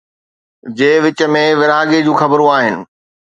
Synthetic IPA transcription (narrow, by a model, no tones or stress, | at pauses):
d͡ʑeːʋɪt͡ɕəmẽʋɪɾaːɡed͡ʑũːxɐbəɾũaːɦɪnɪ̆